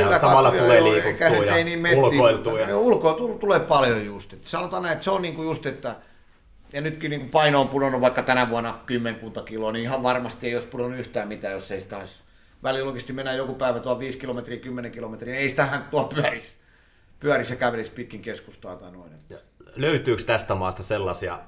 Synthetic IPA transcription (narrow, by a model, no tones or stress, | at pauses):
kylːækɑɑjoeeikæseeiniːmmelioit̪uneulkoilt̪ult̪ulepɑljojjust̪et̪ːsɑnot̪ɑnæiet̪seonniːŋkujust̪et̪ːæ | jɑnyt̪kiniːŋkupɑinoːmpunonuʋɑikːɑt̪ænæʋuɑnːɑkymːeŋkuːnt̪ɑkiloːniihɑʋʋɑrmɑst̪ieioˑispunonːuyht̪æːmmit̪æːjosːeisi̥t̪æois | ʋæliloˑikest̪imenːæjjokupæiʋæt̪uɑlʋiːskilomet̪riːkymːeneŋkilomet̪riːneisi̥t̪æhænt̪t̪uɑlpyæris | pyærisjɑkæʋelespit̪kiŋkeskust̪ɑit̪ɑnoinet̪ː | løyt̪yːkst̪æst̪æmɑːst̪ɑselːɑsiɑ̰